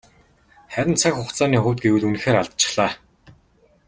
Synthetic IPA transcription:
χæɾʲɪ̆nt͡sʰakxʊχt͡saːniːχʊːt̪̚ɡewɘ̆ɮun̆xeːɾaɮt̪̚t͡ɕɪ̥̆χɮ̥aː

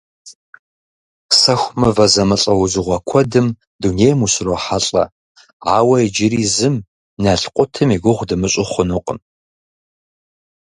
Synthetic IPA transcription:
sɐxʷmɐvɐzɐmɨɬʼɐwʊzɨʁʷɔkʷʰɔdɨm | duneːjmuɕroħaɬʼɐ̰ | aːwɐjd͡ʒɪɾiːzɨm | nɐɬqʷʼʊtʰɨmiɡʷʊʁʷdɨmɨɕʼɪχʷʊnɨqʼə̰m

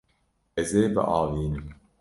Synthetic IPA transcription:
ezeːbɨ̰ʔɑːviːnɨm

